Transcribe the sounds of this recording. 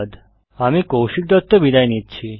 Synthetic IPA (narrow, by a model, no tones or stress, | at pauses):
d̪ | amĩkowʃik̚d̪ɔt̪ːobid̪ajnit̪̚t͡ɕʰi